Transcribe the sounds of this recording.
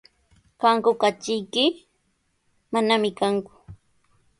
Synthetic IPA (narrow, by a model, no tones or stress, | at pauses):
kaŋkʊkat͡ʃɪjkɪ | manamɪkaŋkʊ̥